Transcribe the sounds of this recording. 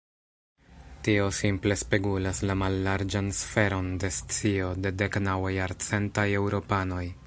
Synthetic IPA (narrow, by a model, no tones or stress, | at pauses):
tio̞simple̞spe̞ɡulaslamalːaɾd͡ʒansfe̞ɾo̞nde̞st͡sio̞de̞de̞knawajaɾt͡se̞ntaje̞wɾo̞pano̞j